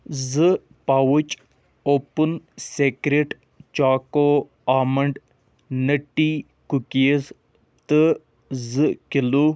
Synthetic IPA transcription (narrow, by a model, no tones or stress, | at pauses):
zɨ | paːwut͡ʃ | oːpunsekɾeʈ | t͡ʃaːko | aːmɐɳɖ | nɐʈːiː | kukiez | t̪ɨ | zɨkilu